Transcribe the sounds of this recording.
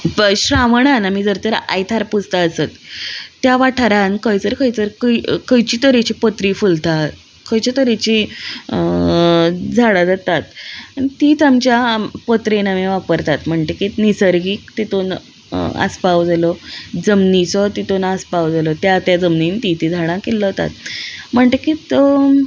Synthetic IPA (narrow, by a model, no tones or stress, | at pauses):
ɕɾaʋɳanamid͡zəɾt̪əɾa̰jt̪ʰaɾpud͡zt̪aəsət̪ːjaʋaʈʰaɾankəjt͡səɾkəjt͡səɾkəkəjt͡ɕiːt̪əɾet͡ɕiːpot̪ɾifult̪ʰa | kəjt͡ɕat̪əɾet͡ɕi | d͡zʱaɽad͡z̪at̪at̪ãit̪it̪amt͡ɕjapot̪ɾenameʋapəɾt̪at̪m̤əɳʈ̪ekiːt̪nisəɾɡiːk̚t̪it̪on | ə̰spawd͡zalɔd͡zəmnit͡sɔt̪it̪onaspawd͡zalɔt̪jat̪jad͡zəmnint̪it̪id͡zʱaɽ̃ãkelːəɔt̪a̰t̪̚m̤əɳʈ̪əkiːt̪